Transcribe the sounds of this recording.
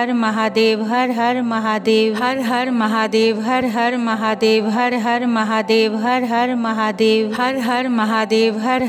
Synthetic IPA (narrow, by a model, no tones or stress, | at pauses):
ɐɾmɐɦaːd̪eːʋɦɐɾɦɐɾmɐɦaːd̪eːʋɦɐɾɦɐɾmɐɦaːd̪eːʋɦɐɾɦɐɾmɐɦaːd̪eːʋɦɐɾɦɐɾmɐɦaːd̪eːʋɦɐɾɦɐɾmɐɦaːd̪eːʋɦɐɾɦɐɾmɐɦaːd̪eːʋɦɐɾ